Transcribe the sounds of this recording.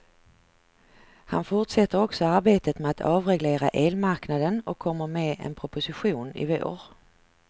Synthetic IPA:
ha̰nfʊʈʂɛt̪ːəɾɔksɔaɾbeːt̪ət̪mɛat̪ʰɑːvɾɛɡleːɾaʔeːlmaɾknad̪ənɔkʰːɔmːəɾmeːʔɛ̰npʰɾʊpʊsɪɧuːnɪ̰vo̰ːɾ

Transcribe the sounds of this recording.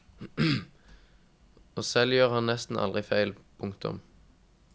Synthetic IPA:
oːsɛljøːʁhɑnnɛst̪n̩ʔɑ̰lʁɪfæɪlpʰʊŋkt̪ʰʊ̰m

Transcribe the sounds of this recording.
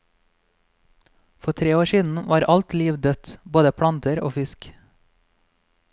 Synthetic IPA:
fɔt̪ʰɾeːoːʃiːd̪n̩ʋʔɑːɾʔɑlt̪liːʋd̪œt̪boːd̪əpʰɽɑnt̪əɾo̰ːfɪsk

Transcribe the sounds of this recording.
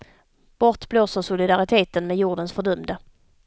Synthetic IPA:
b̥ɔʈ̪bloːsəʂʊlɪd̪aɾɪt̪ʰeːt̪ənmɛjuːɖənsfœɖɵmd̪ə

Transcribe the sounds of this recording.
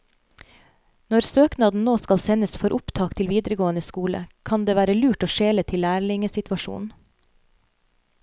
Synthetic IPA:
nɔɾsøːknɑːd̪n̩noːskɑlsɛnəsfɔɾʔʊpt̪ʰɑːkt̪ʰɪlʋiːd̪ɾəɡoːənəskuːlə̰kʰɑnd̪eːʋæːɾəlʉːʈoːʃeːlət̪ʰɪlːæːɾɭɪŋəsɪt̪ʋɑʃṵːnn̩

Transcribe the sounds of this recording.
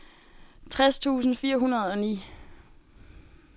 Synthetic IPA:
t͡sʰʁast͡sʰṵːsn̩fiːɐɦunɐð̞ˠɒ̽nḭː

